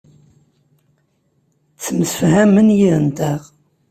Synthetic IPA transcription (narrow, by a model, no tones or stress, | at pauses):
t͡sːəməsəfhæmənjiɾənt̪æʁ